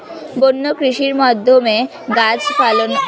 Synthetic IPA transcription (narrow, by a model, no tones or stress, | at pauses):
bonːokɾiʃiɾmad̪ʱːome | ɡat͡ɕfalon